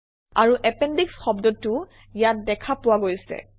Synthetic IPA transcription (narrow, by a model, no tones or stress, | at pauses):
aɹuʔɛpɛndiksxɔbdɔtːʊ | ijat̚dɛkʰapʊwaɡojsɛ̰